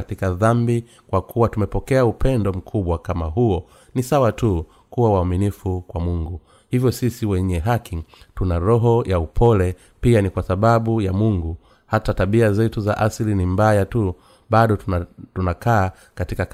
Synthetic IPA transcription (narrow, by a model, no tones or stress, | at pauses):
atikaðambi | kwakʰuwatumɛpɔkɛaupɛndɔm̩kʰuɓwakamaɦuɔ | nisawatu | kuwawaːminifukwamuŋɡu | hivjɔsisiwɛɲɛɦakitunaɾɔɦɔjʔaupʰɔlɛ | pianikwasaɓaɓujamuŋɡu | hatataɓiazɛtuza̰ʔaslinimbajatu | ɓaɗɔtunakaː | katika